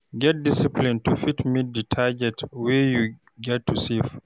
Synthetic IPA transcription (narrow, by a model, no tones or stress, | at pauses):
ɡɛt̚disiplĩntufitmit̚ditʰaɡɛtwɛju | ɡɛtːusif